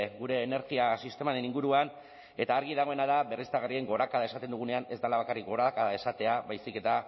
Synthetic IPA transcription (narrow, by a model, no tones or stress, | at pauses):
ɡuɾe̞ːne̞ɾɣiasist̪e̞maɾe̞niŋɡuɾuan | e̞t̪aːɾɣ̞iðaɣ̞o̞e̞naðaβe̞rist̪aɣarie̞ŋɡo̞ɾakaðaesat̪end̪uɣ̞une̞ane̞zd̪alaβakarik̚ɡo̞ɾakaðae̞sat̪e̞aβajsike̞t̪a